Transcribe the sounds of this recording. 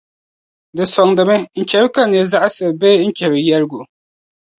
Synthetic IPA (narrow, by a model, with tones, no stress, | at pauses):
dɨ˨sɔ˨ŋdɨ˨mɪ˦n̩˨t͡ʃɛ˨bɨ˦ka˦n˨ɛ˨za˦ʔa˦sɨ˨bbɛ˦n̩˦t͡ʃɛ˨bɨ˨jɛ˦lɡʊ˨